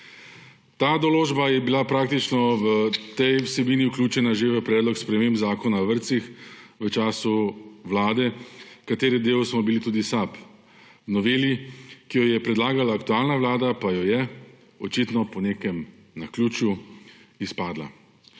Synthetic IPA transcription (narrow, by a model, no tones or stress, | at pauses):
t̪aːd̪ɔloːʒbajɛbilapɾaːk̚t̪it͡ʃnɔʋət̪ɛjwsɛbiːniuklʲjuːt͡ʃɛnaʒeʋəpɾɛːd̪lɔkspɾɛmeːmbzaːkɔnaʋəɾt̪sixʋət͡ʃaːsuʋlaːd̪ɛkat̪eːɾɛd̪eːwsmɔbilit̪uːd̪isap | wnɔʋeːljikijɔjɛpɾɛd̪laːɡalaːkt̪uaːlnaʋlaːd̪apajɔjɛ | ɔt͡ʃit̪nɔpɔneːkɛm | naklʲuːt͡ʃjuispaːd̪la̰